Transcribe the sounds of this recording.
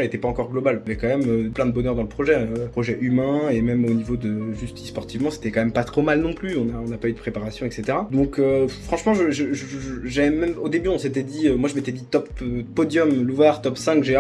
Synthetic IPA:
et̪ɛpaɑ̃kɔʁɡlɔbalvɛkɑ̃mɛmøplɛ̃d̪əbɔnœʁd̪ɑ̃ləpχɔʒɛøpχɔʒɛʔymɛ̃emɛmonivod̪əʒyst̪ispɔʁt̪ivmɑ̃se̥t̪ɛkɑ̃mɛmpat̪χomalnɔ̃plyɔ̃naɔ̃napayd̪əpχepaʁasjɔ̃ɛkset̪eʁad̪ɔ̃køfχɑ̃ʃmɑ̃ʒəʒəʒʒʒavɛmɛmod̪ebyɔ̃set̪ɛd̪iømwaʒəmet̪ɛd̪it̪ɔpøːɔd̪jɔmluvaʁt̪ɔpsɛ̃kʒe

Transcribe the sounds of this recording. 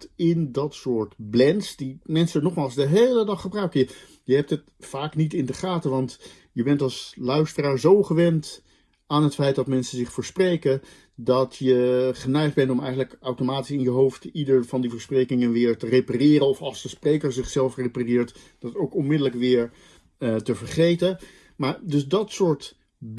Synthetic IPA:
tɪndɑtsʊːɹtblɛnsdimɛnsəənɔχmaːlˠzdəɦejlədɑχːəbrœɥkəjə | jəɦɛp̚tət | faːknitɪndəχaːtəʋɑnt | jəbɛntɑlˠslœɥstəraːɹzowχəʋɛnt | aːnɦətfɛjt̚dɑtmɛnsənzɪχfʊːɹsprejkən | dɑtjəχənɛjχd̚bɛntɔmɛjχənləkawtomaːtisɪnjəɦowftidəɹvɑndivəɹsprejkɪŋənʋɪːɹtərejparɪːrənɔfɑlˠzdəsprejkəɹzɪχsɛlˠfreparɪːɹt | d̥ɑtowkɔnmɪdələkʋɪːɹ | təvəɹχejtən | maːɹdɵsdɑtsʊːɹt

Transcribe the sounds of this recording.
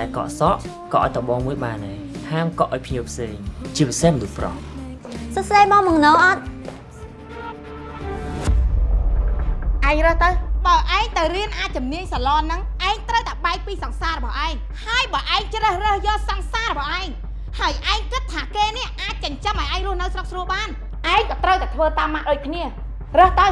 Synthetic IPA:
ɗaɛlkɑ̰ːʔsɑʔ | kɑʔa̰ɔjt̪ɑɓoːŋmuəjɓaːnːeː | haːmkɑʔaɔjpʰniəwpʰseːŋt͡ɕiəpisehmənuhprɑ̰h | səsɗeːjmɑːmɑŋnoːʔɑt̪̚ | ʔaɛŋrəːht̪əwɓaəʔaɛŋt̪ɨwriənʔaːc̚t͡ɕumniəɲsalɑːnːɨŋʔaɛŋt̪rəwt̪aɛɓaɛk̚piːsɑŋsaːrɔɓɑhʔaɛŋ | haəjɓaːʔaɛŋt͡ɕrəːhrəːhjɔːsɑŋsaːrɔɓɑhʔaɛŋ | haəjʔaɛŋkɨt̪ʰːaːkeːnɛ̆əʔʔaːc̚t͡ɕəɲt͡ɕəmʔaɔjʔaɛŋrʊəhnɨwsrok̚sruəlɓaːn | ʔaɛŋkɑːt̪rəwt̪at̪ʰʋəːt̪aːmːaʔɗoːc̚kʰniə | rəːht̪əw

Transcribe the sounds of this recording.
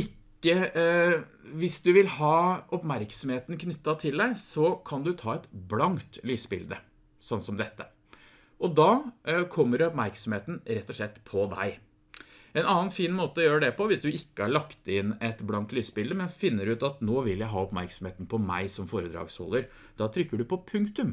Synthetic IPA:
ɪkːə | ʋɪsd̪ʉʋɪlhɑːɔpmæɾksɔmheːt̪n̩kʰnʏt̪ːɑt̪ʰɪld̪æɪsɔkʰɑnd̪ʉt̪ʰɑːɛt̪blɑŋt̪lyːsbɪ̰ld̪ə | sɑnt̪sɔmd̪ɛt̪ːə | ʔɔd̪ɑːkʰɔmːəɾɔpmæɾksɔmheːt̪n̩ɾɛt̪ːɔʂɭɛt̪ːpʰɔd̪æ̰ɪ | ɛnɑːənfiːnmoːt̪əɔjøːɾəɖ̪ɛpɔʋɪsd̪ʉɪkːəæɭɑkt̪ɪnːɛt̪blɑnt̪lyːsbɪld̪əmɛnfɪnːəɾʉːt̪ɑt̪noːʋɪljæɪɦɑːɔpmæɾksɔm̩heːt̪n̩pʰɔmæɪsɔmfoːɾəd̪ɾɑ̰ːɡshɔ̰lːəɾ | d̪̥ɑːt̪ʰɾʏkːəɖʉpɔpʰʉŋkt̪ʉm

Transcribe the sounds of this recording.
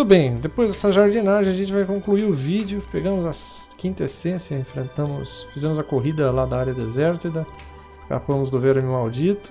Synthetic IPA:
ʊbẽj̃d̪epojzd̪ɛsɐʒaɾd͡ʒinaʒẽɐʒẽnt͡ʃɪvajkõkluiɾʊvid͡ʒjʊpeɡɐ̃mʊzɐskĩnt̪ɐesẽsjɐẽfɾẽnt̪ɐ̃mʊsfizẽmʊzɐkoɦid̪ɐlad̪ɐaɾjɐd̪ezɛɾt̪id̪ɐ | ɪska̰pɐ̃mʊzd̪ʊvɛɾmĩmawd͡ʒit̪ʊ̥

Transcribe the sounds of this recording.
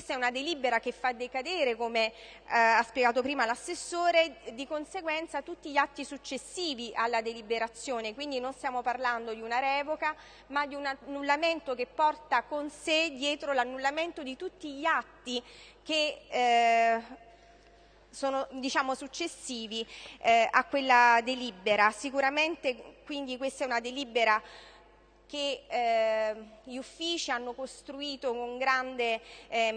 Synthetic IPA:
kest̪aɛunad̪eliːbeɾakefːad̪ekad̪eːɾekome | aspjeɡaːt̪opɾiːmalasːesːoːɾed̪ikonseɡwɛnt̪sat̪ut̪ːiʎːat̪ːisut͡ʃːesːiːviʔalːad̪elibeɾat̪sːjoːnekwind̪inonst̪jaːmoparland̪od̪iunaɾɛːvoka | mad̪iunanːulːament̪okepːɔrt̪akonsed̪jɛːt̪ɾolanːulːament̪od̪it̪ut̪ːiʎiat̪ːik̟e | soːnod̪it͡ʃaːmosut͡ʃːesːiːvi | akːwelːad̪elibeɾasikuɾament̪ekwind̪ikwest̪aɛunad̪elibeɾa | k̟e | ʎiufːiːt͡ʃianːokost̪ɾuiːt̪okoŋɡɾand̪e

